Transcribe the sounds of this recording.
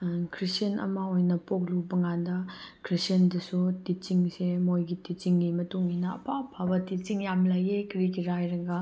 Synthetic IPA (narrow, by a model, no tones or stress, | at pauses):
kʰɾisɐnɐ̰mɐojnɐpok̚lubɐŋandɐkɾisiɐndɐsutit͡ʃiŋsemojɡitit͡ʃiŋɡimɐtuŋinɐɐpapʰabɐtit͡ʃiŋjamlajekɾikiɾajɾɐɡɐ